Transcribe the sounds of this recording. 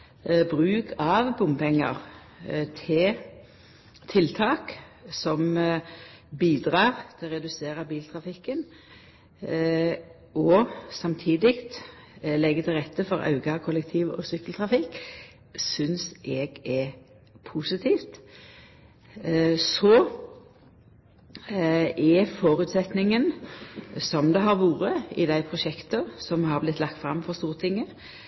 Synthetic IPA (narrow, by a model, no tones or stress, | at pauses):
bʁʉːkʰɑʋbʊmpɛŋːə̰ʁ | t̪ʰɪ | t̪ʰɪlt̪ʰɑːksɔm | biːd̪ʁɑːʁt̪ʰɪlʁɛd̪ʉseːʁəbiːlt̪ʰʁɑfɪkːən | ʔɔsɑmt̪ʰiːd̪ɪkt̪ | lɛɡːət̪ʰɪlʁɛt̪ːəfɔɾɑ̰ʉɡɑkʰʊlɛk̚t̪ʰiːʋɔ̰sʏkəlt̪ʰʁɑfɪkː | sʏnsʔɛɡɛ | pʰusɪt̪ʰiːft̪ | sɔ | ʔɛfoːɾʉt̪sɛt̪nɪŋən | sɔmd̪ɛɦɑɾʋuːɾəɪd̪æɪpʰʁʊʃɛkt̪əsɔmhɑɾblɪt̪ːlɑk̚t̪fʁɑmːfɔʁst̪uːʁət̪ʰɪŋːə